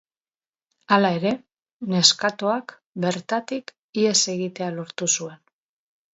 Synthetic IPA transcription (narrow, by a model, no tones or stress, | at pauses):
alae̞ɾe̞ | ne̞skat̪o̞ak | be̞ɾt̪at̪ik | ie̞se̞ɣit̪e̞alo̞ɾt̪usue̞n